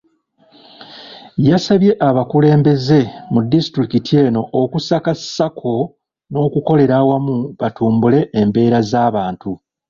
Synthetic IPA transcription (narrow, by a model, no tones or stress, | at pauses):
jasaβje̞ʔaβakule̞ːmbe̞ze̞mudːisi̥tɾikitʰie̞ːno̞ʔːkusakasːakʰo̞ | no̞ːkuko̞le̞ɾawamuβatuːmbule̞ʔːmbe̞ːɾazaːβaːntu